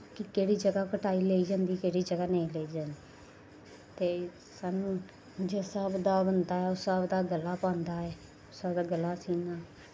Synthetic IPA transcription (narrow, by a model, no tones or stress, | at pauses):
kɪkeːɽiːd͡ʒəɡaːkəʈʰaːiːleːiːd͡ʒãːnd̪iːkeːɽiːd͡ʒəɡaːnə̃ĩːleːiːd͡ʒaːnd̪iː | t̪eː | sanũ | d͡ʒeːsəbd̪aːbənd̪aːɛːʊsəbd̪aːɡəlːaːpãːnd̪aːɛː | ʊsəbd̪aːɡəlːaːsiːnaː